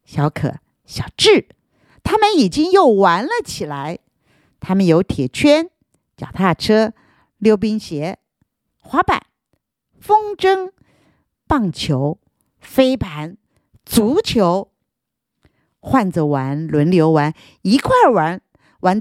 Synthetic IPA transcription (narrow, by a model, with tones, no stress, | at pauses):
ɕjɑ˧˥ʊkʰɤ̰˨˩˦ | ɕjɑ˨˩ʊʈ͡ʂɻ̩˥˩ | t̪ʰa˥mə˨ni˨˩t͡ɕi˥ŋjo˥˩ʊwa˧˥nlə˧˨t͡ɕʰi˨˩la˧˥ɪ | t̪ʰa˥mə˨njo˧˥ʊt̪ʰjɛ˨˩t͡ɕʰɥɛ˥n | t͡ɕjɑ̰˨˩ʊt̪ʰa˥˩ʈ͡ʂʰɤ˥ | ljo˥˩ʊp̬i˥ŋɕjɛ˧˥ | xwa˧˥pa̰˨˩˦n | fɤ˥ŋʈ͡ʂɤ˥ŋ | pɑ˥˩ŋt͡ɕʰjo˧˥ʊ | fe˥ɪpa˧˥n | t͡su˧˥t͡ɕʰjo˧˥ʊ | xwa˥˩nt͡sə˩wa˧˥nlwə˧˥nljo˧˥ʊwa˧˥n | i˧˥kʰwa˥˩wa˧˥n | wa˧˥n